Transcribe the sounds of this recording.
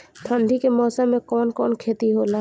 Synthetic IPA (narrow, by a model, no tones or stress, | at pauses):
t̪ʰə̃nd̪ʱikemɔːsamːẽkɔːnkɔːnkʰeːt̪iɦoːla